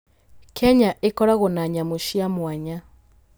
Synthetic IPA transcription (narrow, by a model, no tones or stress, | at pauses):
kʰɛɲaʔekɔɾaɣonaɲamoʃiamwaɲa